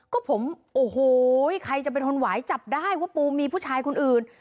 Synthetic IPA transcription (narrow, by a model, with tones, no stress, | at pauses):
kɔː˥˩pʰo˩˦mʔoː˨˩hoː˧˩jkʰa˧jt͡ɕa˨˩pa˧nt̪ʰo˧nwaː˩˦jt͡ɕa˨˩p̚daː˥˩jwaː˥˩puː˧miː˧pʰuː˥˩t͡ɕʰaː˧jkʰo˧nʔɯː˨˩n